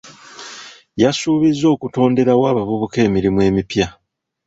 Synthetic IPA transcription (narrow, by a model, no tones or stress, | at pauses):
jasuːβizːo̞ːkuto̞ːnde̞ɾawaːβaβuβuke̞ːmiɾimuwe̞ːmipja